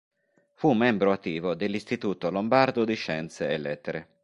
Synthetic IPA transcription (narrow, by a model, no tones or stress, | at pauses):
fumːɛmbɾoat̪ːiːvod̪elːist̪it̪uːt̪olombard̪od̪iʃɛnt̪seelɛt̪ːeɾe